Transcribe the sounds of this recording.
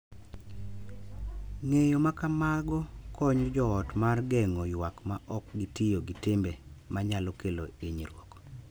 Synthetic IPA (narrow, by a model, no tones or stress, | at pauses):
ŋejomakamaɡɔkʰɔɲd͡ʒɔːtmarɡɛŋɔjwakmaʔɔkɡitɪjoɡitɪmbemaɲalɔkeloiɲiɾwok